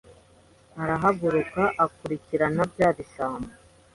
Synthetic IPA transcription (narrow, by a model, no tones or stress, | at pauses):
aɾaɦaɡuɾukaʔakuɾiciɾanabɟaːβiʃaːmba